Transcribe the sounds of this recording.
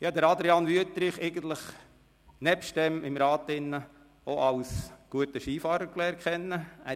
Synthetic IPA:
jɑːd̥̪əɾɑd̪ɾɛɑnʋyət̪ɾɪχɛɪɡən̩t̪lɪχ | nɛpʃtɛmɪmɾɑːtɪnːə | oʔɑlsɡ̥uətəʃiːfɑːɾəɾklɛːɾkχɛnːəæː

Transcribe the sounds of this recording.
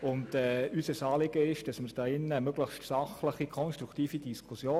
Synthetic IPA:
ʊndɛːysəsɑːlɪɡəɪʃd̥ɑsməɾd̥ɑːɪnːəmøɡləχstsɑχləχikʰɔnʃtɾukʰtiːfidiskʰusjoː

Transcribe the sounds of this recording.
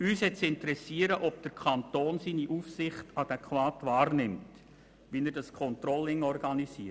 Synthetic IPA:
yːshɛtt͡ssɪntəɾɛsiəɾəʔɔpd̥əɾkʰɑntoːnsiːniʔufsɪχtɑd̥ɛkχʋɑːtvɑːɾnɪmt | ʋinəɾdɑskʰɔnt̪rɔlːɪŋɔrɡɑnisiːə

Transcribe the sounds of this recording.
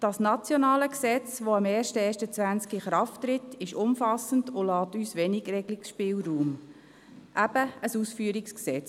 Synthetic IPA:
d̥ɑsnɑt͡sjɔnɑːləksɛt͡sʋoɑmɛːrʃtəɛːʃtət͡sʋænt͡skɪχɾɑftɾɪtʰːɪʃʊmfɑsən̩dʊlɑːtyːsʋɛnɪɡrɛɡlɪksʃpɪːlruːm | ʔæb̥əəsusfyːɾɪksksɛt͡s

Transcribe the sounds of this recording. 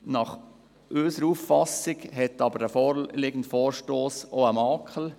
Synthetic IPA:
nɑχ | ʔøːsəɾufːɑsɪɡɦɛtɑbəɾəfɔːɾlɪɡ̥ən̩tfɔːɾʃtoːsoəmɑːkʰəl̩

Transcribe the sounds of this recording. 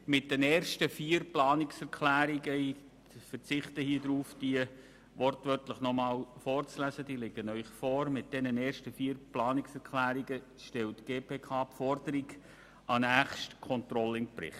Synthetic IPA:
mɪt̚d̥ɛnɛːrʃtəfiːəɾplɑːnɪksɛɾkʰlæːɾiɡəi | fərt͡sɪχtəhiəd̪ɾuːfd̥iə | ʋɔrtʋœrtləχnɔmɑːlfɔːrt͡slæzədiːlɪɡ̥ənœʏχfɔːɾmɪt̚d̥ɛnənɛːrʃtəfiːɾplɑːnɪksɛɾkʰlæːɾiɡə | ʃtɛltɡ̥eːpʰeːkʰɑːpfɔrdəɾiɡ | ɑnæːχʃtkʰɔnt̪rɔlɪŋpɾɪ̰χt

